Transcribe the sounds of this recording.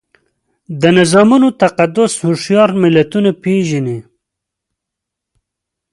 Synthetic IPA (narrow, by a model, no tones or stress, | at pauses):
d̪ənɪzɑmunot̪aqad̪ʊshʊʂjɑɾmɪlat̪unapeʒini